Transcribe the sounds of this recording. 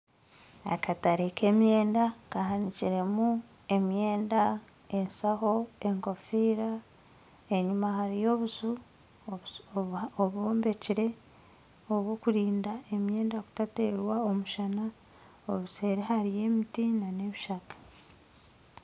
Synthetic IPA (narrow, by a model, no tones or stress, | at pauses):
a̰kataɾekʰe̞ːmje̞ːndakahaniciɾe̞mu | e̞mje̞ːnda | ensaho̞e̞ŋko̞fiːɾa | eɲumahaɾijo̞βuzu | oβo̞ːmbe̞ciɾe̞ | oβwokuɾiːndae̞mje̞ːndaku̥tateːɾwao̞muʃana | oβuse̞ɾehaɾije̞mitinane̞βiʃakḁ